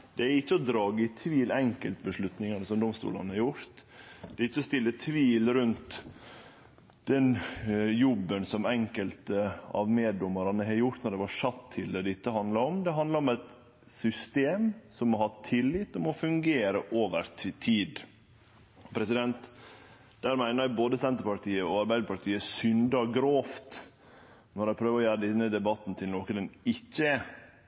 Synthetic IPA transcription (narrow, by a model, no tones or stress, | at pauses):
d̪̥ɛæɾɪçːəɔd̪ɾɑːɡəɪt̪ʰʋiːlɛŋkəlt̪bəʂɭʉt̪nɪŋɑnəsɔmd̪ɔmst̪ṵːlɑnəhɑɾjʊɾt̪d̪̥ɛɪçːəɔst̪ɪlːət̪ʰʋiːlɾʉnt̪ | d̪̥ɛnjɔbːənsɔmɛŋkəlt̪əɑ̰ʋmeːd̪ʊmɑɾɑnəɦɛɾjʊɾt̪nɔɾɖ̪ɛʋɑʂɑt̪ʰːɪld̪ɛd̪ɛɪt̪ːəhɑnd̪ləɾɔmd̪ɛɦɑnd̪lɑɾɔmɛɪt̪ | sʏst̪eːmsɔmːɔhɑt̪ʰːɪlːɪt̪ːɔmɔfʉŋɡeːɾəʔoːʋəɾt̪ʰiːd̪ | pʰɾɛsɪd̪ɛnt̪ | d̪̥æːɾmæɪnəɾboːd̪əsɛnt̪əɾpɑʈ̪ʰiːəɔɑɾbæɪd̪əpɑʈ̪iːəsʏnd̪ɑɡɾoːft̪ | nɔɾæɪpʰɾøːʋəɾɔjæːɾəd̪ɛnːəd̪ɛbɑt̪ːn̩t̪ʰɪlnoːkəd̪ɛnɪçːə